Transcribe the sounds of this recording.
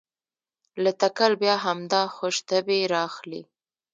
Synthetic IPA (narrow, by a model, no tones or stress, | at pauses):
lat̪akalbjɑɦamd̪ɑxoʃt̪əbeɾɑxlḭ